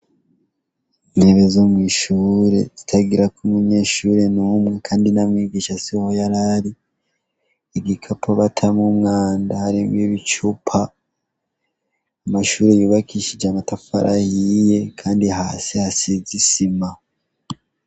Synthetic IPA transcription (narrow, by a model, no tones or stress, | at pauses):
neβezomwiːʃuːɾe̞̰z̥itʰaɡiɾakumuɲe̞ːʃuːɾe̞numŋekʰaːndinamŋiːɡiːʃasihojaɾaɾi | eɡikʰapʰoβatʰamumŋaːndahaɾiːmɡiβit͡ʃupʰa | maʃuːɾe̞juːβakiʃid͡ʒamatafa̰ɾʔa̰hije̞kʰaːndihaːsihasizisima